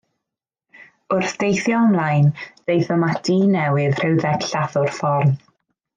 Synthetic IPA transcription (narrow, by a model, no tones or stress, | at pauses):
ʊrθd̥ejθjɔɔmlˠajnð̥ejθəmad̥iːnɛwɪðr̥ɛwðɛkɬaθʊrfɔrn